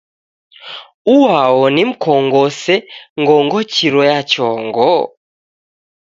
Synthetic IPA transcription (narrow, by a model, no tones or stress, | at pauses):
uwaɔnim̩kɔŋɡɔsɛŋɡɔŋɡɔt͡ʃiɾɔjat͡ʃɔŋɡɔ